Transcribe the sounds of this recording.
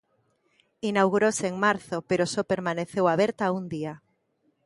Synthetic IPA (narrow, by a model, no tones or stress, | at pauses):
inawɣuɾoseeŋmaɾθopeɾosopeɾmaneθewaβeɾt̪aund̪ia